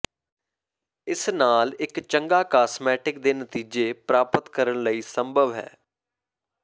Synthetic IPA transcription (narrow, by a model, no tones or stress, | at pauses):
ɪsnaːlɪkt͡ʃəŋɡaːkaːsmɛːʈɪk̚d̪eːnət̪iːd͡ʒeːpɾaːpət̪kəɾəɳləiːsəmbʱəʋɦɛ̰ː